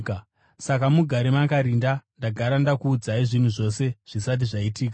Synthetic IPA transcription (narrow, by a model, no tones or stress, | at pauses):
k | sakamuɡʱaɾemakaɾindandaɡʱaɾandakuːd͡zaiʐin̤uʐo̞se̞ʐ̥isat̬iʐaitiːk̬a